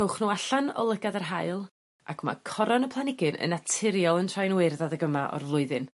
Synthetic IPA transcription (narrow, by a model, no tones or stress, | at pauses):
owχnuaɬanɔ̰lˠəɡadarɦaɨlˠ | a̰kʰma̰kʰɔɾɔnəpʰlˠanɪɡɨnə̰natʰɪɾjɔlˠəntʰrajnwerðaðəɡəmaʔɔ̰rlˠʊɨðɨn